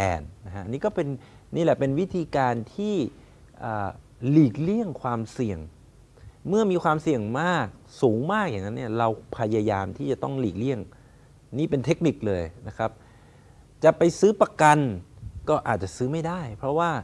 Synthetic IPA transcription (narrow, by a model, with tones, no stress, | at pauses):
ɛ̰ː˧nːa˦˥kʰa˦˥ʔa˧nːiː˦˥kɔː˥˩pe˧n | niː˥˩lɛ˨˩pe˧nwi˦˥t̪ʰiː˧kaː˧nt̪ʰiː˥˩ | ʔəː˨˩ | liː˨˩k̚li˥˩əŋkʰwaː˧msi˨˩əŋ | mɯ˥˩ɐmiː˧kʰwaː˧msi˨˩əŋmaː˥˩k̚suː˩˦ŋmaː˥˩k̚ja˨˩ŋːa˦˥nːi˥˩ɐɾa˧wpʰa˧ja˧jaː˧mt̪ʰiː˥˩t͡ɕa˨˩t̪ɔ˥˩ŋliː˨˩k̚li˥˩əŋ | niː˥˩pe˧nt̪ʰe˦˥k̚ni˨˩k̚lɤː˧jna˦˥kʰa˦˥p̚ | t͡ɕa˨˩pa˧jsɯː˦˥pɾa˧ka˧nkɔː˥˩ʔaː˨˩t̪̚t͡ɕa˨˩ʔsɯː˦˥ma˥˩jdaː˥˩jpʰɾɔ˦˥waː˥˩